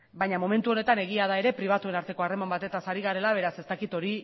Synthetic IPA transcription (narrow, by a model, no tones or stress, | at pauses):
bajɲamo̞me̞nt̪uo̞ne̞t̪ane̞ɣ̞iað̞ae̞ɾe̞pɾiβ̞at̪ue̞naɾt̪e̞ko̞are̞mambat̪e̞t̪asaɾiɣaɾe̞laβ̞e̞ɾase̞st̪akit̪o̞ɾi